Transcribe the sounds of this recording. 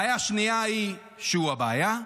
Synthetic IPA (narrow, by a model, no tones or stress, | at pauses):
jaʃnijai | ʃeuaba̰ːja